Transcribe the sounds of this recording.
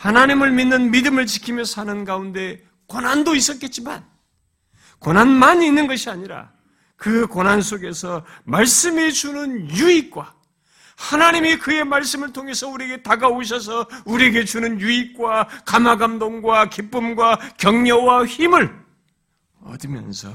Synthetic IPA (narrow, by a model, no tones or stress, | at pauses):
hanaɲimɯɭminːɯnmidɯmɯɭt͡ɕikʰimjʌsʰanɯnɡaunde̞ | konandois͈ʌt̚k͈e̞t̚t͡ɕ͈ima̰n | konanmaɲiːnːɯnɡʌɕʰiaɲiɾa̰ | kɯkonansʰoɡe̞sʰʌmaɭs͈ɯmet͡ɕunɯnjuik̚k͈wa | hanaɲimikɯje̞maɭs͈ɯmɯɭtʰoŋe̞sʰʌuɾieɡe̞taɡaoɕ̬ʰʌs̬ʰʌuɾieɡe̞t͡ɕunɯnjuik̚k͈wakamaɡamdoŋɡwakip͈ɯmɡwakjʌŋɲʌwaçimɯɭ | ʌ̰dɯmjʌ̰nsʰʌ̰